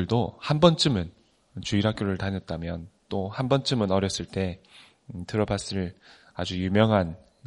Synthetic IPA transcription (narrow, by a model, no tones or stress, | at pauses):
ɯɭdohanbʌnt͡ɕ͈ɯmɯn | t͡ɕuiɾak͈̚joɾɯɭtaɲʌt̚t͈amjʌnt͈ohanbʌnt͡ɕ͈ɯmɯnʌɾjʌs͈ɯɭt͈e̞ | tɯɾʌbas͈ɯɭ | ad͡ʑujumjʌŋɦan